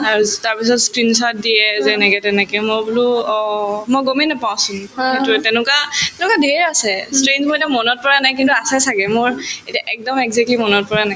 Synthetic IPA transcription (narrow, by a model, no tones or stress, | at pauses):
aɹutaɹpis̬ɔtstɹinsɔat̚dijɛzɛnɛkɛtɛnɛkɛmoɹbuluɔmɔjɡominapaʊ̃sʊmetʊtɛnʊkatɛnʊkadʱeɹasɛstɹenzmojdɛmɔnɔt̚pɔɹanajk̬intuasɛsakɛmoɹetiaʔɛk̚dɔmɛkzɛk̚limɔnɔt̚pɔɹana